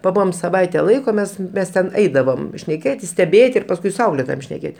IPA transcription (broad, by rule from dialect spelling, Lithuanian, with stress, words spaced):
pɐˈbʊʋoːm sɐˈʋɐɪtʲɛ ˈlˠɐɪkoː ˈmʲɛs tʲɛn mʲɛs tʲɛn ˈɛɪdɐʋoːm ʃʲnʲɛˈkʲeːtʲɪs sʲtʲɛˈbʲeːtʲɪ ɪr pɐsˈkʊɪ sʊ ˈɐʊklʲeːtoːjoːm ʃʲnʲɛˈkʲeːtʲ